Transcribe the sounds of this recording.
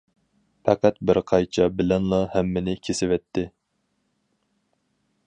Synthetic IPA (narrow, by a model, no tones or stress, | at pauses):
pʰɑqæt̪̚bɪɾqʰɑjt͡ʃʰɑbɪlɛnlˠɑhɛmːɪnɪkʲʰesɪvɛt̪ʰːɪ